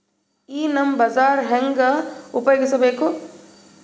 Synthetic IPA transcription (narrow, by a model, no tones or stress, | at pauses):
iːnɐmbɐzaːɾɦɐŋɡɐʊpɐjɡɪsɐbeːkʰoː